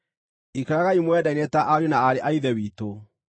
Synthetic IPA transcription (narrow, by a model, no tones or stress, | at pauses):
ikaɾaɣaimwɛdainetaʔaɾjonaaɾeʔaiðɛwiːto